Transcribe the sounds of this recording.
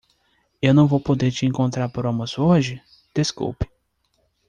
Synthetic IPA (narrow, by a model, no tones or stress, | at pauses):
ewnɐ̃w̃vowpod̪eɾt͡ʃɪẽŋkõnt̪ɾaɾpoɾõmɐsoʒɪ | d̪̥eskṵwpɪ̥